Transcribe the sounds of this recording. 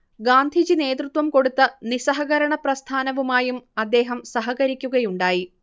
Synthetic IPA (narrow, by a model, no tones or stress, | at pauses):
ɡaːnd̪ʱid͡ʑine̞ːt̪rut̪ʋɐmko̞ɽut̪ːɐnisɐɦɐɣɐɾɐɳɐprɐst̪ʰaːnɐʋumaːjumɐd̪ːe̞ːɦɐmsɐɦɐɣɐɾikʲːuɣɐjuɳɖaːji